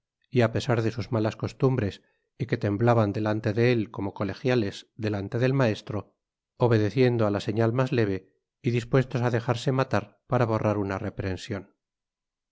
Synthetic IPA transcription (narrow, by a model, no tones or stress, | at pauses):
iape̞saɾðe̞suzmalasko̞st̪umbɾe̞s | ike̞t̪e̞mblaβand̪e̞lant̪e̞ðe̞elko̞mo̞ko̞le̞xjale̞zðe̞lant̪e̞ðe̞lmae̞st̪ɾo̞ | oβ̞e̞ðe̞θje̞nd̪oalase̞ɲalmazle̞β̞e̞ | iðispwe̞st̪o̞saðe̞xaɾse̞mat̪aɾpaɾaβ̞o̞rʔaɾunare̞pɾe̞nsjo̞n